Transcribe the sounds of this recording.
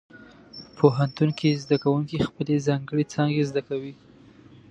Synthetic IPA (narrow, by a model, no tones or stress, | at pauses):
pʰoɦant̪uŋkizd̪akawuŋkixpəlezɑŋɡəɽet͡sɑŋɡezd̪akawi